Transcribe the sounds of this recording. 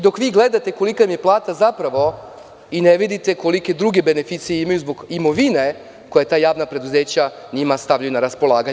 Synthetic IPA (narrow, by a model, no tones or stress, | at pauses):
d̪o̞kʋiːɡle̞d̪at̪e̞ko̞likamijeplˠaːt̪azapɾaʋo̞ | ineʋid̪it̪e̞ko̞like̞d̪ɾuɡe̞benefit̪sijeimajuzbo̞ɡimo̞ʋine̞ | kojet̪aːjaːʋnapɾe̞d̪uzeːt͡ɕaɲimast̪aʋʎajunaɾaspo̞lˠaːɡa